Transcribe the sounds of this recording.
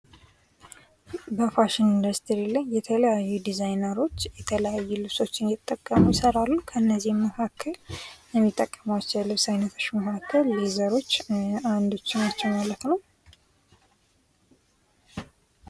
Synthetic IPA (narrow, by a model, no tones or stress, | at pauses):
bəfaʃɪnind̪əɾst̪ʰɾilajːɛt̪ʰələjajːud̪izajnəɾo̞t͡ʃːjɛt̪ʰələjajːulɨβso̞t͡ʃːɪnjɪt̪ʼːəkʼːəmujɪsəɾalːukʰəɨnːəzːihmmːəkʰakʰːəljɛmːit̪ʼːəkʼːəmawt͡ʃːɛwlɨβsajnət̪ʰot͡ʃːməkʰakʰːəlːizəɾo̞t͡ʃːand̪ot͡ʃːɪnat͡ʃːɛwmalət̪nəw